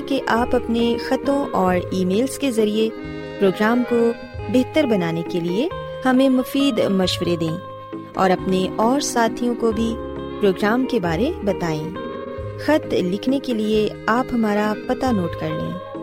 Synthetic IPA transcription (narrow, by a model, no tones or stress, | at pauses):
keʔaːpɐpnexɐt̪õʔɔːɾiːmeːlskezɐɾie | pɾoːɡɾaːmko | beɦt̪əɾbɐnaːnekelie | hɐmẽmʊfiːd̪mɐʃwəɾed̪ẽː | ɔ̰ːɾɐpneʔɔːɾsaːt̪ʰijõkobʱi | pɾoːɡɾaːmkebaːɾebɐt̪aːẽː | xɐt̪lɪkʰnekelie | aːpɦɐmaːɾapɐt̪anoːʈkɐɾlḛ̃ː